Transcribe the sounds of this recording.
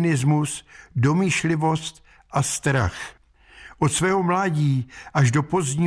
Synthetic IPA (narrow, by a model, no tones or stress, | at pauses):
nɪzmusdo̞miːʃlɪvo̞st̪ | ʔast̪ɾa̰x | ʔot̪svɛːɦo̞mlaːɟiːʔaʒdo̞po̞zɲi